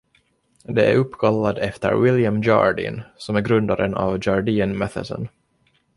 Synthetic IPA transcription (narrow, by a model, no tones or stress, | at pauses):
d̪ɛʔæ̰ɾɵpːkʰalːad̪ɛft̪ə̰ɾwɪljamd͡ʒɑ̰ːɾɖɪ̰nsɔmæɾɡɾɵnd̪aɾənɑ̰vd͡ʒɑɾɖiːənmɛθə̰sə̰n